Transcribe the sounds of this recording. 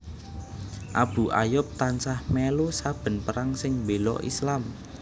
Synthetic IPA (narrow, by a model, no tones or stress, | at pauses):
ʔab̥ṳʔajʊp̚t̪ansahmelosab̥ə̤npəɾaŋsɪŋmbelɔ̰ʔḭslam